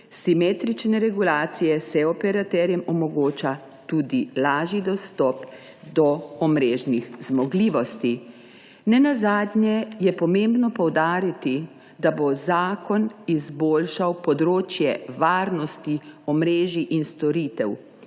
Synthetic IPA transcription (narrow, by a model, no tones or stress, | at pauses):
simeːt̪ɾit͡ʃnɛɾɛɡulaːt̪sijɛsɛɔpɛɾat̪ɛɾjɛmɔmɔɡoːt͡ʃa | t̪ud̪ilaːʒid̪ɔst̪ɔp | d̪ɔɔmɾeːʒnixzmɔɡliːʋɔst̪i | nɛnazaːd̪nʲjɛjɛpɔmembnɔpɔwd̪aːɾit̪i | d̪abozaːkɔnizboːlʃawpɔd̪ɾoːt͡ʃjɛ̰ʋaːɾnɔst̪iɔmɾeːʒiʔinst̪ɔɾit̪ɛw